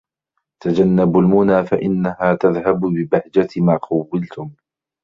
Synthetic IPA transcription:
t̪ad͡ʒanːabʊlmʊnaːfaʔɪnːaɦaːt̪aðɦabbɪbahd͡ʒat̪maːqʰɑwːɪlt̪ʊm

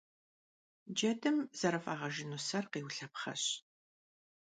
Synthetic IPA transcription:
d͡ʒɐdɨmz̥ɐɾɐfaːʁɐʒɪnusɐrqiːwɬɐpχɐ̰ɕ

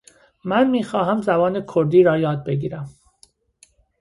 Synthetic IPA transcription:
mænmiːxɒːɦæmzæbɒːnekʰoɾd̪iːɾɒːjɒːd̪̚be̞ɡiːɾæm

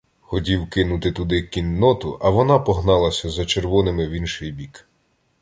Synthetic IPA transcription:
xɔtʲiwkɪnʊt̪ɪt̪ʊd̪ɪkʲinːɔt̪ʊʔɐʋɔnɑpɔɦnɑlˠɐsʲɐzɐt͡ʃerʋɔnɪmɪwinʃɪjbʲik

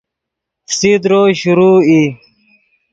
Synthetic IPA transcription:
fsid̪ɾoːɕuɾuːi

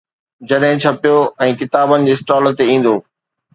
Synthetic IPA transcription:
d͡ʑɐɗɦɪ̃t͡ɕʰɐpijoɛ̃ːkɪt̪aːbənɪ̆d͡ʑeːsʈaːlt̪eĩːn̆d̪oː

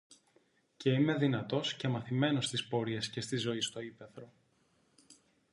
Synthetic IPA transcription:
ce̞ime̞ðinɐt̪o̞sce̞mɐθime̞no̞st̪ispo̞ɾie̞sce̞st̪izo̞ist̪o̞ipe̞θɾo̞

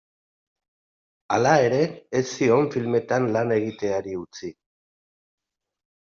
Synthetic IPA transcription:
alae̞ɾe̞ːsːio̞ɱfilme̞t̪anlane̞ɣ̞it̪e̞aɾiut͡si

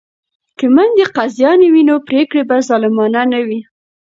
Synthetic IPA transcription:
kəmand̪eqazjɑnewinopɾekɽebazɑlɪmɑnanawi

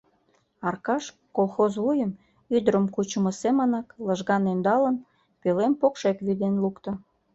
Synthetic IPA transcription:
ɑrkɑʃ | kolˠxozβujəm | yd̪əɾəmkut͡ɕə̆mə̆semənɑkləʒɣɑnønd̪ɑlən | pelempokʃekβid̪enlukt̪ə̆

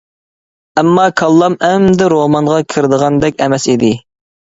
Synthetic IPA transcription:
ɛmːɑkʰɑlˠːɑmɛmd̪ɪɾomɑŋʁɑkʲʰɪɾd̪əʁɑnd̪ɛkʲɛmɛsid̪ɪ

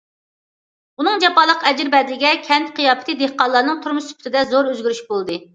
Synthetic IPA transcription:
unɨŋd͡ʒɛpɑːlˠəqɛd͡ʒɪɾbɛd̪lɪɡʲɛkʲʰɛnt̪qʰijɑːpʰɪ̥t̪ʰɨd̪ehqɑnlˠɑɾnɨŋt̪ʰuɾmuʃsy̥pʰt̪ʰɪd̪ɛzoɾøzɡʲyɾyʃbolˠd̪ɨ

